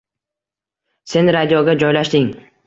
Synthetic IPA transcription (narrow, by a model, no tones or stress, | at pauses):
se̞nɾad̪ijɒɡʲad͡ʒɒjlaʃd̪ɪŋ